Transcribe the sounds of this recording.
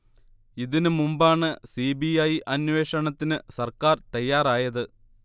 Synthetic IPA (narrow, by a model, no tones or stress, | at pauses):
iðinɨmumbaːɳɨsibiɐjʔɐnwe̞ːʂɐɳɐt̪ːinɨsɐrkaːrt̪ɐjːaːraːjɐðɨ